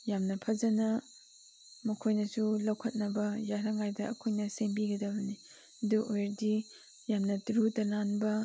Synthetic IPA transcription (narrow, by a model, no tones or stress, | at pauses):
jamnɐpʰɐzɐnɐ | mɐkʰojnɐsulɐwkʰɐt̚nɐbɐjaɾɐŋajdɐɐ̰kʰojnɐseŋbiɡɐdɐbɐni | ɐduojɾdi | jamnɐtɾutɐlanbɐ